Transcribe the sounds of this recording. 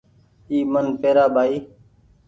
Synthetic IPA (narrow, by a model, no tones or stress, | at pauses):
iːmənpeːɾaːɓʱaːiː